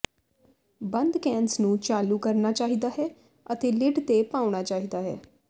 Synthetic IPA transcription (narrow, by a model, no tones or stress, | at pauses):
bənd̪kɛ̃ːnsnũːt͡ʃaːluːkəɾnaːt͡ʃaːɦiːd̪aːɦɛː | ət̪eːlɪɖt̪eːpaːʊɳaːt͡ʃaːɦiːd̪aːɦɛ̰ː